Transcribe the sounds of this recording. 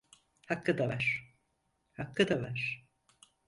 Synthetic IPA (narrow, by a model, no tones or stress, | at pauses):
hakːɯd̪avaɾ̥ | hakːɯd̪avaɾ̥